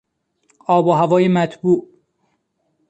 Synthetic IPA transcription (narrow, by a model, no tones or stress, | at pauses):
ʔɒːboɦævɒːjemæt̪ʰbuːʔ